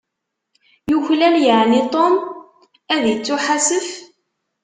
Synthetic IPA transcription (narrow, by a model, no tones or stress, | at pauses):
juçlæljəʕnit̪ˤom | æðjət͡sːʊħasəf